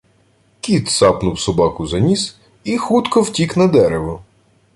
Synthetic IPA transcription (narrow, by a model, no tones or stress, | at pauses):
kʲit̪sɑpnʊwsɔbɑkʊzɐnʲis | ixut̪kɔwtʲiknɐd̪ɛɾeʋɔ